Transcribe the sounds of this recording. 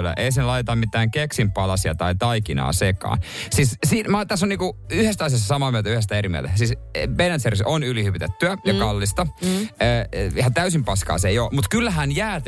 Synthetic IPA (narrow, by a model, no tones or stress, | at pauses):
lːæ̰ʔeisenlɑjt̪et̪ɑmmit̪ːˑæːŋkeksimpɑlɑsiɑ̰t̪ɑit̪ɑikinɑ̰ːsekɑ̰ːnsissimɑt̪æsːoniːŋkuyhest̪æɑs̬iɑsːɑsɑmɑːmyølt̪æyhest̪æeɾimḭt̪æsiːsbenænt̪serisonylihypit̪et̪ːyæjɑkɑlːist̪ɑəːihɑt̪æysimpɑskɑ̰ːseijoːmut̪kylːæɦænjæːt̪